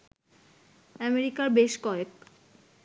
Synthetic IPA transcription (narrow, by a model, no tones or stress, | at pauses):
ɛmeɾikaɾbeʃkɔek